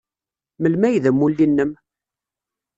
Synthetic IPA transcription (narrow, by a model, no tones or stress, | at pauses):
məlmæjðəmːulːinːəm